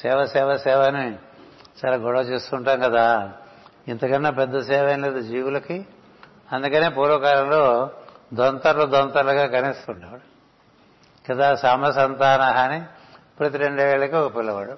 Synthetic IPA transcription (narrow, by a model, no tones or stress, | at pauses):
sɛːʋɐsɛːʋɐsɛːʋani | t͡ʃaːlaːɡɔɽɐʋɐt͡ʃeːst̪uːɳʈaːmkɐd̪aː | int̪ɐkɐnːɐpɛd̪ːɐsɛːʋɐnleːd̪ud͡ʒiːʋulɐki | ɐnd̪ukɐneːpoːɾoːkaːɾɐmloːd̪ont̪ɐɾlud̪ont̪ɐɾlɐɡaːkɐnist̪uɳʈɐɐɽu | kɐd̪aːsaːmɐsɐnt̪aːnaɦaːni | puɽɐt̪̬iɾeɳɖuʋeːɭɐkiɔkɐpilːɐʋaːɽu